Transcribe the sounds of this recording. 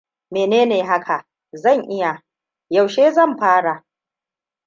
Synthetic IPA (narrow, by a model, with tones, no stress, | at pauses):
meː˨neː˦neː˨ɦa˦kʰa˨ | zɐ˦˨ɲʔɪ˦ja˨ | ja˨wʃeː˦zɐ˦˨mɸaː˦ɽa˨ʔ